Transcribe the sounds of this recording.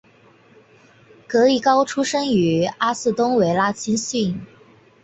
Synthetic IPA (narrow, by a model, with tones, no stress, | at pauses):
kɤ˧˥i˥˩kɑ˥ʊʈ͡ʂʰu˥ʂɤ˥ŋy˧˥a˥sɹ̩˥˩t̪ʊ˥ŋwe˧˥˩ɪla˥t͡ɕʰi˥nɕy˥˩n